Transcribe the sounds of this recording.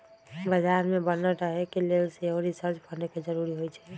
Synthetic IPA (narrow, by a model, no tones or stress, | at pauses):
bəd͡ʒaɾmẽbənəɾəɦekelelseɦoɾisəɾt͡ʃbʰʱəɾneked͡ʒəɾuɾiɦojt͡ʃʰɛ̥